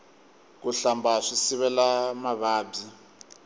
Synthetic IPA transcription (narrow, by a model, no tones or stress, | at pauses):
k̬uɬambaʂisiβɛlamaβaːb͡ʐi